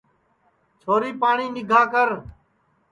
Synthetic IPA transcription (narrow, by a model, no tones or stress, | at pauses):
t͡ʃʰoːɾiːpaːɳiːnɪɡʱaːkəɾ